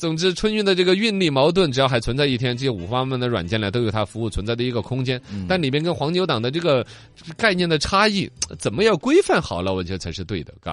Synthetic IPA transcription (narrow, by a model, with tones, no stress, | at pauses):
t͡sʊ˨˩ŋʈ͡ʂɻ̩˥˧ʈ͡ʂʰwə˥ny˥˧nd̪ə˩ʈ͡ʂɤ˥˩ɡə˩y˥˧nli˥˩mɑ˧˥ʊt̪wə˥˩nʈ͡ʂɻ̩˨˩jxa˧˥ɪt͡sʰə˧˥nt͡sa˥˧ɪi˥˩t̪ʰjɛ˥nʈ͡ʂɤ˥˩ɕɛ˥ṵ˨˩fa˥mə˥˩nd̪ə˩wa̰˨˩nt͡ɕjɛ˥˩nla˧˥ɪo˥ʊjtʰa˥fu˧˥u˥˩t͡sʰə˧˥nt͡sa˥˩ɪd̪ə˩i˧˥ɡə˧kʰʊ˥ŋt͡ɕjɛ˥nt̪a˥˩nli˨˩mjɛ˥nk̬ə˥nxwɑ˧˥ŋt͡ɕjo˧˥t̪ɑ˨˩ŋd̪ə˦ʈ͡ʂɤ˥˩ɡə˩ | ka˥˧ɪnjɛ˥˩nd̪ə˩ʈ͡ʂʰa˥i˥˩t͡sə˨˩nmə˦jɑ˥˩ʊkwe˥ɪfa˥˩nxɑ˨˩ʊlə˧˦wɔ˨˩t͡ɕɥɛ˧˥ə˧t͡sʰa˧˥ɪʂɻ̩˥˧t̪we˥˩ɪd̪ə̰˩ka̰˧˩